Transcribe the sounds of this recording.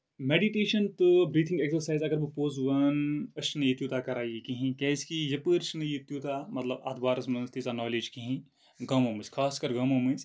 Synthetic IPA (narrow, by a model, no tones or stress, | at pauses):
meːɖiʈeːʃɐnt̪ubɾiːt̪ʰĩŋɡeːksɐɾsaːɪzɐɡɐɾbupoːzʋɐnɐʃnɨjit̪juːt̪aːkɐɾaːjekiɦĩkɛːskijɐpɨɾʃnɨjit̪juːt̪aːmɐt̪lɐbɐ̰ːt̪ʰbaːɾɐsmɐnst̪izanaːleːd͡ʒkiɦĩ | ɡɐ̃ːmoːmiskʰaːskɐɾɡɐːmoːmis